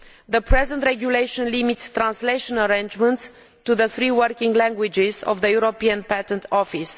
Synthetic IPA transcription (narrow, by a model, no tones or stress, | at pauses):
ðəpʰɹɛzə̃nt̪ɾɛɡjulejʃɔ̃nlimitst̪ːɾãnsleʃɔ̃nəɾẽnd͡ʒmə̃nt̪s | t̪uðəθɾiwəɾkĩŋɡlæ̃ŋɡwid͡ʒɪzɔ̰vðəjuɾopiə̃npæt̪ə̃nt̪ʰɔfis